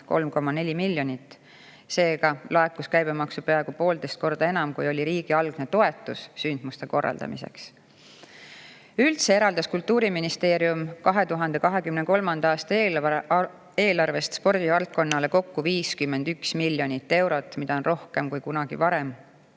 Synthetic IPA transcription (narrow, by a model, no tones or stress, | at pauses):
ko̞lmko̞mːɑne̞lʲimilːjo̞nit̪ːˑ | se̞ːɡ̥ɑlɑekːˑuskæjb̥e̞mɑksupeɑɡ̥upo̞ːld̪e̞jst̪̚ko̞rd̪̥ɑe̞nɑmkujo̞lʲiɾiːɡ̥iɑlɡ̥ne̞t̪o̞e̞t̪ːˑusːynd̪̥must̪e̞ko̞rːɑ̰ld̪ɑ̰mḭse̞̰ks | ylt̪se̞e̞ɾɑld̪ɑskult̪ːˑuːɾiminist̪e̞ːɾiumkɑɦe̞t̪uɦɑnd̪̥e̞kɑɦe̞kymneko̞lmɑnd̪̥ɑɑːst̪ɑ | e̞ːlɑrve̞st̪spo̞rd̪ivɑlt̪̚ko̞nːɑle̞ko̞kːuviːskymːe̞nd̪̥yksmilʲjo̞nʲit̪ːe̞wɾo̞t̪ːˑmid̪ɑonro̞hke̞mkujkunɑɡ̥ḭvɑɾe̞m